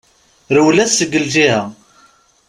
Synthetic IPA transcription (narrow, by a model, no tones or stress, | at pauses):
ɾəwlæsːəɡəld͡ʒihæ